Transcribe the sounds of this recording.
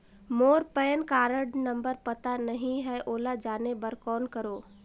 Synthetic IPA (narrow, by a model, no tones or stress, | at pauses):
moːɾpɛːnkaːɾəɖnə̃mbəɾpɐt̪anəɦĩɦɛʔoːlad͡ʒaːnebəɾkɔːnkəɾoː